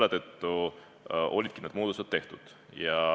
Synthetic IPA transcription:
lːet̪ət̪ːu | ʔo̞̰lʲid̪̥̚kined̪̥muːd̪uset̪t̪e̞ht̪ud̪̥ | jɑ

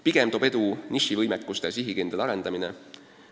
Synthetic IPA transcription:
piɡ̥e̞mt̪o̞be̞d̪uniʃivɤjmekːˑust̪esiɦikend̪̥ɑɑɾe̞nd̪̥ɑmine

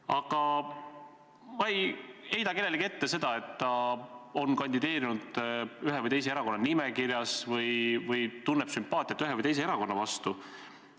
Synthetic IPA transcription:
ɑɡ̥ɑ | mɑeje̞jd̪ɑke̞lelike̞t̪ːese̞d̪̥ɑe̞t̪ːɑo̞nkɑnʲd̪id̪e̞ːɾinud̪̥yɦevɯjt̪e̞js̬e̞eɾɑko̞nːɑnimekiɾjɑsvɯjvɯjt̪unːepsympːˑɑːt̪ʲˑjɑt̪ːyɦevɯjt̪ejs̬e̞eɾɑko̞nːɑvɑst̪u

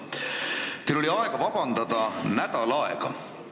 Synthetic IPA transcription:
t̪ejlo̞liɑeɡ̥ɑvɑb̥ɑnd̪̥ɑd̪ɑnæd̪̥ɑlɑḛɡ̥ɑ

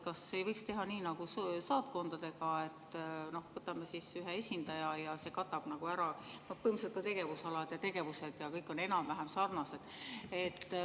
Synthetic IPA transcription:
kɑsːejvɤjkst̪e̞ɦɑniːnɑɡ̥usɑːt̪̚ko̞nd̪̥ɑd̪̥e̞ɡ̥ɑe̞t̪ːno̞hvɤt̪ːˑɑmesisyɦeesʲind̪̥ɑjɑjɑse̞kɑt̪ːˑɑb̥nɑɡ̥uæɾɑno̞hpɤimset̪̚kɑt̪e̞ɡ̥e̞vusɑlɑd̪̥jɑt̪e̞ɡ̥e̞vuse̞d̪̥jɑkɤjkːˑo̞ne̞nɑmvæɦemsɑrnɑse̞d̪̥et̪ː

